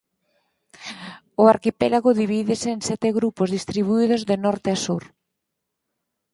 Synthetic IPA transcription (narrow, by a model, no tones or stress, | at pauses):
ʊaɾkipɛlaɣoðiβiðɪseːnsɛt̪eɣɾupozðist̪ɾiβ̞uið̞ozðenɔɾt̪easuɾ